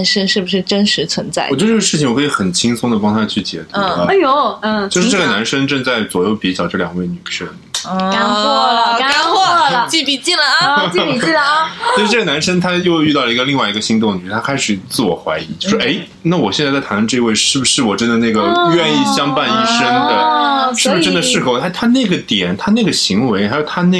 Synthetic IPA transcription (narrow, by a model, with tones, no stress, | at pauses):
nʂə˥ŋʂɻ̩˥˩bu˩ʂɻ̩˥˩ʈ͡ʂə˥nʂɻ̩˧˥t͡sʰwə˧˥nt͡sa̰˥˩ɪɔ˨t͡ɕo˥˧ʊ˥ʈ͡ʂːʂɻ̩˥˩t͡ɕi˩ŋwɔ˨˩kʰːi˧˥xə˨˩nt͡ɕʰi˥ŋsʊ˥ŋd̪ə˩pɑ˥ŋt̪ʰa˥t͡ɕʰy˥˩t͡ɕjɛ̰˧˩t̪u˧˥˩o˧˥˩t͡ɕo˥˧ʊʂɻ̩˥ʈ͡ʂɤ˥˩ɡə˩na˧˥nʂə˥ŋʈ͡ʂɤ˥˧ŋt͡sa˥˩ɪt͡swɔ˨˩jo˥˩ʊpi˧˥t͡ɕjɑ˨˩ʊʈ͡ʂɤ˥˩ljɑ˨˩ŋwe˥˩ɪny˨˩t͡ɕʰə˥˩ | a˥ɔ˥˧ka˥nxwɔ˥˩t͡ɕi˥˩pi˨˩t͡ɕi˥˩lə˩˥˩ | t͡ɕt͡ɕʊɻ̩˥˧ʈ͡ʂɤ˥˩ɡə˩na˧˥nʂə˥ŋt̪ʰa˥jo˥˧ʊy˥˧t̪ɑ˥˩lə˩i˧ɡə˧li˥˧ŋwa˥˩ɪi˧˥ɡə˧ɕi˧˥ŋt̪̬ʊ˥˧ŋny˧˥˩t̪ʰa˥kʰa˥ɪʂɻ̩˨˩t͡sɹ̩˥˩wɔ̰˨˩xwa̰˧˥ɪḭ˧˥t͡ɕo˥˧ʊ˩ʂʔe˧˥ɪ | na˥˩wɔ˨˩ɕɛ˥˧t͡st͡stʰa˧˥nʰ˥˧ʈ͡ʂɤ˥˧i˧˥we˥˧ɪʂɻ̩˥˩bu˩ʂɻ̩˥˩wɔ˨˩ʈ͡ʂə˥nd̪ə˨na˥˩ɡə˩ɥɛ˥˧ni˥˩ɕjɑ˥ŋpa˥˧ni˥ʂə˥ŋd̪ə˨ʂɻ̩˥bbʂ̩˥˧ʈ͡ʂə˥nd̪ə˨˧ʂɻ̩˥˩xʰa˥˩t̪ʰa˥ne˥˩ɡə˩t̪jɛ˨˩nt̪ʰa˥ne˥˩ɡə˩ɕi˧˥ŋwe˧˥ɪxa˧˥jo˨˩ʊt̪ʰa˥n˥˩